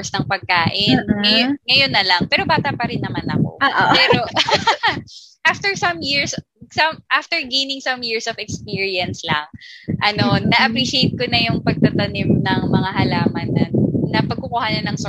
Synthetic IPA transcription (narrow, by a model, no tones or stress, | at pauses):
snɐŋpɐɡ̚kaːʔɪnŋɐjŋɐjonːɐlɐŋpɛːɾo̞baːt̪ɐpɐɾɪnːɐmanɐ̰ko̞̰aʔpɛːɾo | ʔaft̪ɛɹsɐmjiɹs | sɐmʔaft̪ɛɹɡejnɪŋsɐmjiɹsɔvɛkspiːɹiɐnslɐŋʔɐno̞nɐʔɐpɾiʃejt̪̚konɐjʊŋpɐɡ̚t̪ɐt̪ɐnɪmnɐŋmɐŋaɦɐlaːmɐnːɐnɐpɐɡ̚kʊkuːhanɐnɐŋs